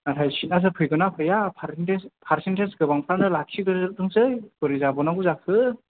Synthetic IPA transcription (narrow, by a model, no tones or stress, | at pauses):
natʰajsit̚nas̬ɯpʰɯjɡɯnapʰɯjapʰaɾntespʰaɾsentʰensɡɯbaŋpʰɾanɯlakʰidɯɾzɯdɯŋsɯjɡɯɾizabɔnaɡuzakʰɯ